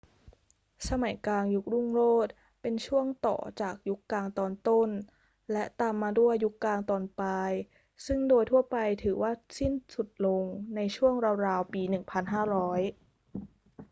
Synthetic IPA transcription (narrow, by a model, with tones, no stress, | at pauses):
sa˧ma˨˩˦jkaː˧ŋju˦˥k̚ɾu˥˩ŋɾoː˥˩t̪̚ | pe˧nt͡ɕʰu˥˩əŋt̪ɔ̰ː˨˩t͡ɕaː˨˩k̚ju˦˥kːlaː˧ŋt̪ɔː˧nt̪o˥˩n | lɛ˦˥t̪aː˧mːaː˧du˥˩əjːu˦˥kːlaː˧ŋt̪ɔː˨˩npa˧j | sɯ˥˩ŋdoː˧jt̪ʰu˥˩ɐpa˧jt̪ʰɯː˩˦waː˥˩si˥˩nsu˨˩t̪̚lo˧ŋna˧jt͡ɕʰu˥˩əŋɾa˧ɾaː˧wpiː˧nɯ˨˩ŋpʰa˧nɦaː˥˩ɾɔː˦˥j